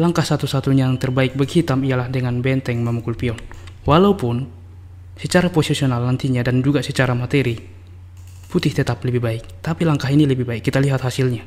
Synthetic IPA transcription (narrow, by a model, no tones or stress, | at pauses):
laŋkahsat̪usat̪uɲaaŋt̪ɛrbaik̚bɛrhit̪amialahdɛŋanbɛnt̪ɛŋmɛmukulpiɔnwalaupun | sɛt͡ʃaɾapɔsɛsiɔnalːant̪iɲadand͡ʒuɡasɛt͡ʃaɾamat̪ɛɾi | put̪ɪht̪ɛt̪aplɛbihbaɪk̚t̪apilaŋkaɦinilɛbihbaikːit̪aliɦat̪hasilɲa